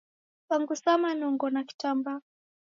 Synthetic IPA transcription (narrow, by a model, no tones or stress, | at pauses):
paŋɡusamanɔŋɡɔnaki̥tamba